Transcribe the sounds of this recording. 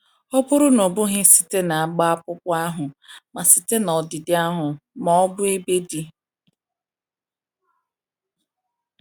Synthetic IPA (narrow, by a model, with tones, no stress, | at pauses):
ɔ˦bʊ˦ɾʊ˦nɔ˨bʊ˦ɦɪ˦si̥˨te˦na˨a˦ɡ͡ba˦a˦pʊ˦pʊ˦a˦ɦʊ˨ma˨si̥˨te˦nɔ˨dɪ˨dɪ˦a˦ɦʊ˨mɔ˨ɔ˦bʊ˦e˦be˦di˦